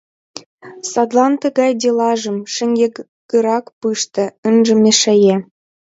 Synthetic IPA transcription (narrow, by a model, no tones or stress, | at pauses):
sɑd̪lɑnt̪ə̆ɣɑjd̪ʲelɑʒə̆mʃɘ̆ŋɡʲe | ɡə̆ɾɑkpɯʃt̪ɤ̆ənʒə̆mʲeʃæje